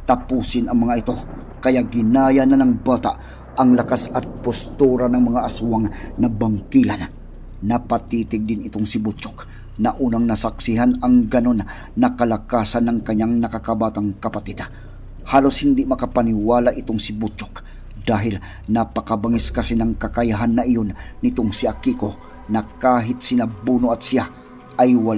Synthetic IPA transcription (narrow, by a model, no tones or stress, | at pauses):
t̪ɐpuːsɪnɐŋmɐŋaʔɪt̪o̞ | kɐjaʔɡɪnaːjananɐŋbaːt̪aʔ | ɐŋlɐkasɐt̪̚pʊst̪uɾanɐŋmɐŋaʔɐsuaŋnɐbɐŋkila̰n | nɐpat̪iːt̪ɪɡ̚d̪ɪnɪt̪oŋsɪbut͡ʃʊk̚ | nɐʔuːnɐŋnɐsak̚sɪɦanɐŋɡɐno̞nː | ɐkɐlakaːsanːɐŋkɐɲaŋnɐkakabaːt̪aŋkɐpat̪ɪd̪ | haːloshɪnd̪imɐkapaniwaːlaʔɪt̪oŋsɪbut͡ʃʊ̥k | d̪aːɦɪl | nɐpɐkabaŋiskɐsɛnɐŋkɐkajaɦanːɐʔijonːɪt̪oŋsiakiko | nɐkaːɦɪt̪̚sɪnabuːnoʔat̪̚sia | ʔɐjwal